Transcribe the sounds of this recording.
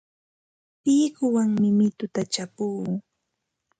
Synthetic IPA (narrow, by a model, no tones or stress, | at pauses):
t̪ɪːkʊwaŋmɪmɪt̪ʊt̪at͡ʃapuː